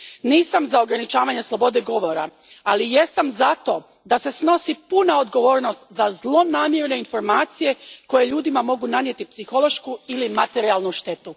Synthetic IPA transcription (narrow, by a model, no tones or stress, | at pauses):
niːsamzao̞ɡɾanit͡ʃaːʋaɲe̞slˠo̞bo̞d̪eɡo̞ʋo̞ɾa | alije̞samzat̪o̞ | d̪ase̞sno̞sipunao̞d̪ɡo̞ʋo̞ːɾno̞st̪zazlˠo̞naːmjeɾne̞info̞ɾmaːt̪sije̞ko̞je̞ʎuːd̪imamo̞ɡunanjet̪ipsixo̞lˠo̞ʃkuilimat̪e̞ɾialnuʃt̪e̞t̪u